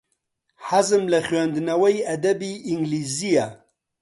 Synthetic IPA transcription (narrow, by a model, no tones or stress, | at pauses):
ħazɨmlɐχɥand̪ɨnɐwɐjɐd̪ɐbiʔiŋɡlizija